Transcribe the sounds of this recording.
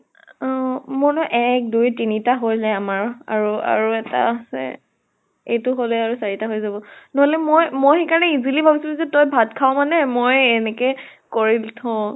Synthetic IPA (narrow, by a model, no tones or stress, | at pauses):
mɔnɔʔɛk̚dujtinitaɦojlɛamaɹa̰ɹua̰ɹuɛta̰sɛ̰ | ejtʊɦolɛaɹusaɹitaɦojzabɔnɔɦolɛmojmojxejkaɹnɛizilibʱabisulzɛtojbʱatkʰaw̃manɛmojɛnɛkɛkoɹiltʰɔ̃